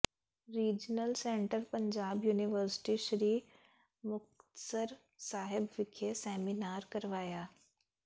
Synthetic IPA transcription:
ɾiːd͡ʒnəlsẽːɳʈəɾpɐ̃ɲd͡ʑaːbjuːniʋəɾsɪ̥ʈiʃɾiː | mʊxt̪t̪səɾ | saːɦɪbʋɪkʰesɛːminaːɾkɐɾʋaːjaː

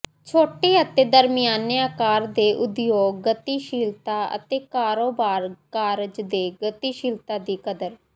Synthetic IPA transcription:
t͡ʃʰoːʈeːət̪eːd̪əɾmɪjaːnjaːkaːɾd̪eːʔʊd̪joːɡːət̪iːʃɪlt̪aːə̰t̪eːkaːɾoːbaːɾkaːɾd͡ʒd̪eːɡət̪iːʃɪlt̪aːd̪iːkəd̪əɾ

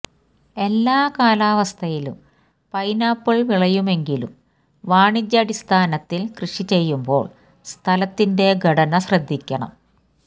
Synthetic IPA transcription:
e̞lːaːkaːlaːʋɐst̪ʰɐjilum | pɐjnaːpːɐɭʋiɭɐjume̞ŋɡilṵm | ʋaːɳid͡ʑːɐɐɽist̪ʰaːnɐt̪ːilkrɨʂit͡ɕe̞jːumbo̞ːɭ | st̪ʰɐlɐt̪ːinde̞ɡʱɐɽɐnɐɕrɐd̪ʱːikʲːɐɳɐ̰m

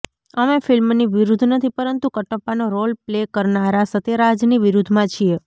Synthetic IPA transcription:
əmefilmniʋiɾud̪ʱnət̪ʰipəɾənt̪ukəʈəpːanoɾolplekəɾnaɾasət̪eɾad͡ʒniʋiɾud̪ʱmãt͡ʃʰie

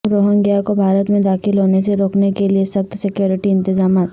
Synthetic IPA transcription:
ɾoːɦə̃ŋɡjakobʱaːɾət̪mẽd̪aːxɪlɦoːneseɾoːknekeliesɐxt̪sɪkjoːɾɪʈiɪ̃nt̪ɪzaːmaːt̪

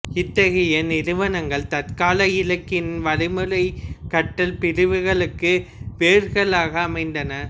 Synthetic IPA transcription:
ɪt̪ːɐɣɐjɐnɪɾɯʋɐnɐŋɡɐɭt̪ɐt̪kaːlɐjɪlɐkːɪnʋɐɻɪmɯɻɐɪkːɐʈːɐlpɪɾɯʋɯɣɐɭɯkːɯʋeːɾɣɐɭaːɣɐːmɐɪnd̪ɐnɐ

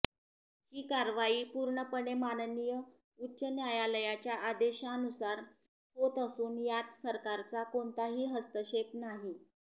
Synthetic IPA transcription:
hiːkaɾʋaiːpuɾɳəpəɳemannijə | utːɕənjajaləjat͡ɕjaʔad̪eɕaənusaɾ | hot̪əsuːnjat̪səɾkaɾt͡sakont̪aɦiːɦəst̪əɕepnaɦi

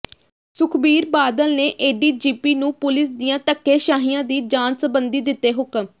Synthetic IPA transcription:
sʊkʰbiːɾbaːd̪əlneːʔeːɖiːd͡ʒiːpiːnũːpʊlɪsd̪ijãːt̪əkːeːʃaːɦiːãːd̪iːd͡ʒaːnsəbənd̪iːd̪ɪt̪ːeːɦʊkəm

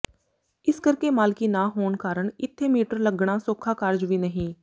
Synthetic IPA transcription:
ɪskəɾkeːmaːlkiːnaːɦoːɳkaːɾəɳɪt̪ʰːeːmiːʈəɾləɡɳ̃ãːsoːkʰːaːkəɾd͡ʒʋiːnəɦĩː

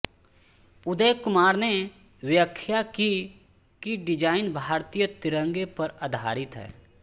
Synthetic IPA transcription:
ʊd̪əjkʊmaːɾne | wjəkʰːjaki | kiɖɪd͡ʒaːɪnbʱaːɾt̪ijət̪ɪɾə̃ŋɡepɐɾad̪ʱa̰ːɾɪt̪ɦɛ̰ː

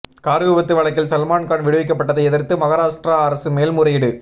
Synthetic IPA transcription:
kaːɾɯɣɯʋɐt̪ːɯʋɐɭɐk̬ːɪlsɐlmaːnkaːɳʋɪɽɯʋɪk̬ːɐpːɐʈːɐðɐɪɛðɪɾt̪ːɯmɐɣɐɾaːʂʈraɐɾɐsɯmeːlmʊɾɐjɪɽɯ

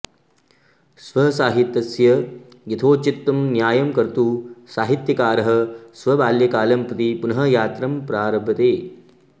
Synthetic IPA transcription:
sʋɐsaːɦit̪jɐsjɐ | jɐt̪ʰoːt͡ʃit̪ːɐmnjaːjɐmkɐɾt̪usaːɦit̪jɐkaːɾɐɦɐ̆sʋɐbaːljɐkaːlɐmpɐt̪ipunɐɦɐjaːt̪ɾɐmpɾaːɾɐbʱɐt̪eː

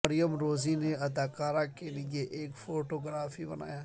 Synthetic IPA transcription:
mɐɾɪjəmɾoːzineɐd̪aːkaːɾakelieʔeːkfoːʈoːɡɾaːfibɐ̰na̰ːjaː

